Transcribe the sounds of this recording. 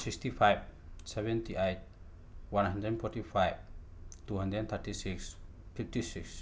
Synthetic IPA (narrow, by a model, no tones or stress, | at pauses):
sikstipʰajb̚sɛbɛntiʔajt̚ | wanɦandɾɛdnpʰɔɾtipʰajb̚tuɦandɾɛdnt̪ʰəɾtisiks | pʰip̚tisiks